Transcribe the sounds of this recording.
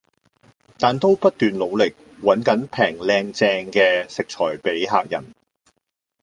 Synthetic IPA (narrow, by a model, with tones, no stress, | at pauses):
t̪aː˨nt̪o˥wpɐ˥t̚t̪yː˨nlo˨˧wlɪ˨k̚ | wɐ˨˥nkɐ˨˥npʰɛː˨˩ŋlɛː˧ŋt͡sɛː˧ŋkɛː˧sɪ˨k̚t͡ʃʰɔː˨˩jpe˨˥jɦaː˨k̚jɐ̰˨˩n